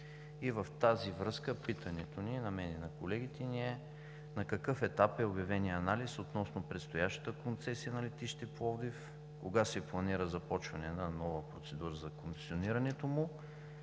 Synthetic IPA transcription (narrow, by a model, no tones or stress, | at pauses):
ivəft̪azivɾɤskəpit̪ʰɐnɛt̪oninɐmɛninɐkolɛɡ̟it̪ɛniɛ | nɐkɐkɤfɛt̪apɛobʲjɐvɛniəɐnalisot̪nɔsnopɾɛt̪st̪ojaʃt̪ə̥t̪əkont̪sɛsiənɐlɛt̪iʃt̪ɛplˠɔvd̪if | koɡasɛplˠɐniɾəzɐpɔt͡ʃvɐnɛnanɔvəpɾot̪sɛd̪uɾəzɐkʊŋkt̪sioniɾɐnɛt̪omʊ